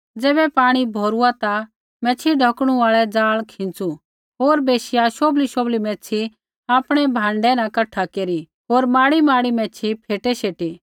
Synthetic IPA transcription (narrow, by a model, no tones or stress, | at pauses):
d͡zɛːbɛpaːɽ̃ibʱoːɾuat̪a | mɛ̃ːt͡ʃʰiɖʱɐkɽ̃ũaːɭɛd͡zaːɭkʰɪ̃nt͡su | ɦoːɾbeːʃɪjaʃoːbliʃoːblimɛ̃ːt͡sʰi | aːpɽ̃ɛbʱãːɳɖɛnãkɐʈʰːakeːɾi | ɦoːɾmaːɽimaːɽimɛ̃ːt͡ʃʰipʰeːʈɛʃeːʈi